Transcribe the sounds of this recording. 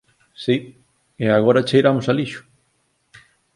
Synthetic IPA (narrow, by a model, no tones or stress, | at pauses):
si | eaɣ̞oɾɐt͡ʃejɾamʊsaliʃʊ̥